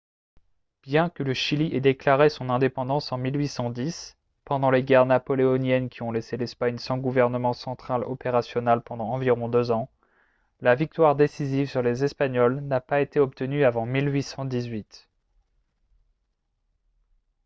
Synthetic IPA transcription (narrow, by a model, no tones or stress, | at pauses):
b̥jɛ̃kələʃiliʔɛd̪eklaʁesɔ̃nɛ̃d̪epɑ̃d̪ɑ̃sɑ̃milɥisɑ̃d̪is | pɑ̃d̪ɑ̃leɡʲɛʁnapɔleɔnjɛnkʲʰiɔ̃leselɛspaɲsɑ̃ɡuvɛʁnəmɑ̃sɑ̃t̪χalɔpeʁasjɔnalpɑ̃d̪ɑ̃ːviʁɔ̃d̪øzɑ̃ | lavik̚t̪waʁd̪esizivsyʁlezɛspaɲɔlnapaet̪eɔp̚t̪ənyavɑ̃milɥisɑ̃d̪izɥit̪